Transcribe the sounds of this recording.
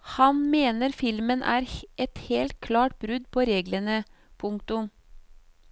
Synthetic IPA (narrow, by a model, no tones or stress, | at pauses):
hɑnmeːnəɾfɪlmənʔæ̰ːɾʔɛt̪heːlt̪̚kʰlɑːʈ̚bɾʉd̪pʰoːɾeːɡlənə | pʰʊŋkt̪ʊm